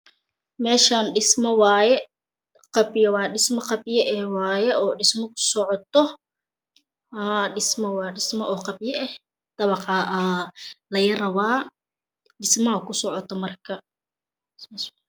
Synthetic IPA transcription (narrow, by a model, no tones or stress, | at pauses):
mɛːʃaːnɖɪsmɔwɑːjɛ | qɑbɪjɐwɑːɖɪsmɐqɑbɪjɐʔɛwɑːjɛʔɔːɖɪsmɔkʰʊ̥sɔʕɔt̪ʰɔ | haɖɪsmɔwɑːɖɪsmɔʔɔːqɑbjɐʔɛh | d̪̥ɐβɑqɑːʔɐlɐjɐrɐβaː | ɖɪsmɐɦɐkʰʊsɔʕɔt̪ʰɔmɐrkʰɐ | ɪsm